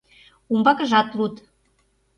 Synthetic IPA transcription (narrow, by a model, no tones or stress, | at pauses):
umbɑkə̆ʒɑt̪lut̪